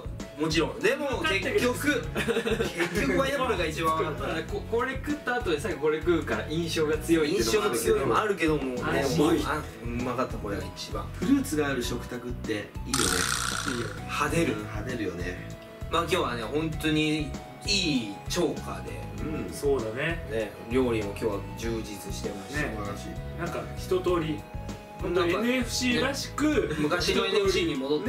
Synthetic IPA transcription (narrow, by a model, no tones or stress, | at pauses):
mo̞t͡ɕiɾõ̞d̪e̞mo̞kke̞kkʲːo̞kɯkekʲːokɯβajaoɾɯɡait͡ɕibãakat̪ːakoko̞ɾekɯ̟t̪ːaːt̪o̞d̪esakʲːiko̞ɾekɯ̟kaɾaʔĩɰ̃ɕo̞ːɡat͡sɨjo̞iĩɕoːɡat͡sɨjjo̞iaɾɯ̟ke̞d̪o̞moaa̟ | makat̪ːako̞ɾeɡa̰it͡ɕibã̰ɸɯ̟ɾɯ̟ːt͡sɨɡaːɾɯ̟ɕo̞kɯ̟̥t̪akɯ̟t̪ːe̞iːjo̞̰nḛ | had̪e̞ɾɯ̟had̪eɾɯ̟jo̞nḛ | maːkʲo̞ːβane̞hõ̞nt̪o̞ɲ̟i | iːt͡ɕo̞ːkʰa̰d̪e̞̰ɯ̃soːd̪anene | ɾʲo̞ːɾʲĩɰ̃okʲo̞ːβad͡ʑɨːd͡ʑit͡sɨɕi̥t̪e̞maɕanaɕinãŋkaçi̥t̪o̞t̪o̞ːɾʲi | õaɸɯ̟̥ɕiːɾaɕi̥kɯ̟mɯ̟kaɕieeɕiːɲimo̞d̪ot̪ː